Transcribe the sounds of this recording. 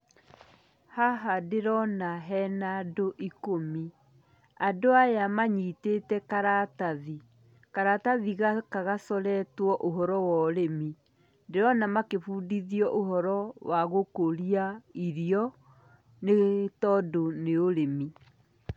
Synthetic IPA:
haɦadeɾɔnaɦɛnadoʔikomi | adoajamaɲitetɛkaɾataði | kaɾataðiɣakaɣasɔɾɛtwɔʔoɦɔɾɔwɔɾemi | deɾɔnamakefuːdiðiɔʔoɦɔɾɔwaɣokoɾiaiɾiɔ | netɔdoneoɾemi

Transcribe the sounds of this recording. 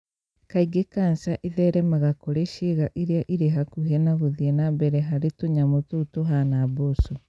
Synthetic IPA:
kaiɡekansaʔiðɛɾɛmaɣakoɾeʃeɣaʔiɾeaʔiɾeɦakuɦenaβoðiɛnambɛɾɛɦaɾetoɲamototoɦanaboso

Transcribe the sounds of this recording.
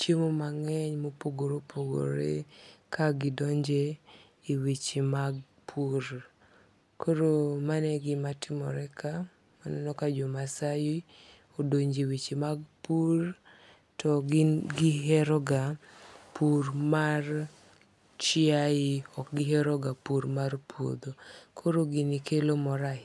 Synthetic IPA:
t͡ʃemomaŋɛɲmopoɡoɾopʰoɡo̰ɾḛkaɡɪdɔɲd͡ʒe | iwit͡ʃimaɡ̚ | pʰuɾ | kʰoɾomanɛɡɪmatʰɪmɔ̰ɾɛka | manɔnɔkad͡ʒɔmasaji | odoɲd͡ʒiwit͡ʃimaɡ̚pur | tɔɡɡɪɦɛɾɔɡapurmar | t͡ʃɪaɪɔkɡɪɦɛɾɔɡapuɾmarpo̰d̪okʰoɾoɡinikʰelomɔɾa

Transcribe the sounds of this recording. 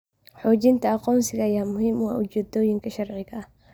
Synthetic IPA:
ħɔːt͡ʃɪnt̪ʰɐɑqɔːnsɪɣɐːjaːmʊɦiːmwɑːʔʊt͡ʃɛːd̪ɔːjɪŋkʰɐʃɐrʕɪɣɐɐh

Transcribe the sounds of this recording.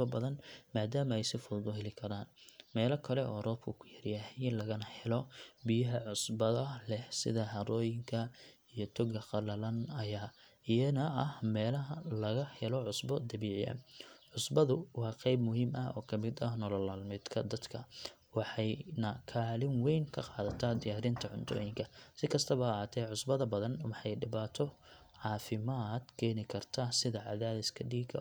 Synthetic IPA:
ɔbɐðɐnmaːd̪aːmɐɛjsɪfʊlb̪ʊɦɛlɪkʰɐɾaːnmɛːlɐkʰɐlɛʔɔːrɔːb̚kʰʊkʰʊjɐɾjɐhɪnlɐɣɐnɐhɛlɔbɪjɐɦɐʕʊsbɐðɐlɛhsɪ̰ðɐhɐɾɔːjɪŋkʰɐ | ijɔt̪ʰɔɡɐqɑlɐlɐnɐjaː | ijɐnɐʔɐhmɛːlɐɦɐlɐɣɐhɛlɔʕʊsbɔd̪ɐbiːʕɪɐ̰ʕʊsbɐðʊwɑːqɛjbmʊɦiːmʔɐɔːkʰɐmɪd̪ɐnɔlɐlaːlmɪd̪kʰɐd̪ɐd̪kʰɐ | wɑħɑjnɐkʰaːlɪnwɛjŋkʰɐqɑːðɐt̪ʰad̪ɪjaːɾɪnt̪ʰɐʕʊnt̪ʰɔ̰ːjɪŋkʰɐsɪkʰɐst̪ʰɐβɐhːt̪ʰɛʕʊsbɐðɐbɐðɐnwɑħɑjɖɪβaːt̪ʰɔ | ʕɑːfɪmad̪̥kʰɛːnɪkʰɐrt̪ʰɐsɪðɐʕɑ̰ðaːðɪskʰɐɖiːɡɐ̰

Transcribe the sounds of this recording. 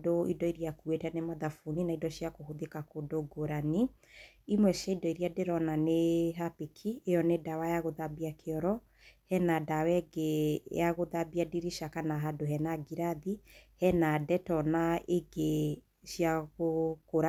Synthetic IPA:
doḭdɔiɾiakuetɛnemaðafuninaidɔɕjakoɦoðekakodoɡoɾani | imwɛʃaidɔiɾiadeɾɔnaneɦapekʰiejɔnedawajaɣoðabiakʰeɔɾɔ | hɛnadawɛɡeaɣoðabiadiɾiʃakanaɦadoɦɛnaɡiɾaðihɛnadɛtɔnaeɡe | ʃjaɣokoɾa

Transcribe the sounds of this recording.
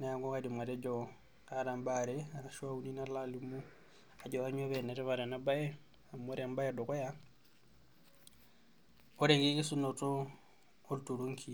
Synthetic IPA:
najaŋɡɔkadimwaɾɛd͡ʒɔ | aɾambaɾɛaɾaʃwauninalalimu | ad͡ʒɔβaɲoβɛnɛɾɛβaɾanabaɛ | amoɾambajadɔkɔja | ɔɾeŋɡikisunɔtɔː | ltuɾuŋkʰi

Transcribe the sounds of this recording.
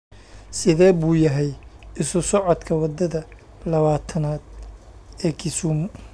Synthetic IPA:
sɪðɛːbuːjɐɦɛjɪsʊsɔʕɔd̪kʰɐwɑd̪ɐðɐ | lɐβaːt̪ʰɐnaːd̪ | ɛːkʰɪsuːm

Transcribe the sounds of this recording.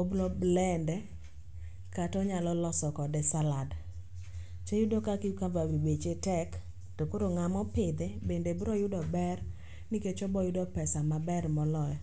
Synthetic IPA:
oblɔblɛndɛ | katɔɲalɔlɔsɔkɔdɛsalad | t͡ʃojʊdokakikavawibet͡ʃetɛk | tokoɾoŋamɔpɪd̪ɛbendebɾɔjʊdɔbɛr | niket͡ʃɔbɔjʊdɔpɛsamabɛrmɔlɔjɔ

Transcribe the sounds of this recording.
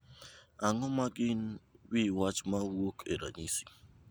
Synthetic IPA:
aŋɔmaɡɪnwiwat͡ʃmawokʰeɾa̰ɲisi̥

